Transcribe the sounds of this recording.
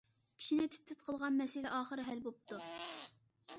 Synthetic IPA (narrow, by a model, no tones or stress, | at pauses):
kʲʰi̥ʃinɪt̪ʰɪ̥t̪ʰːɪt̪̚qʰəlˠʁɑnmɛsɪlɛʔɑːχəɾɨɦɛlbop̚t̪u